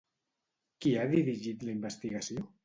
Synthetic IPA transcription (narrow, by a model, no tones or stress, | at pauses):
kiaðiɾiʒit̪ləimbəst̪iɣəsio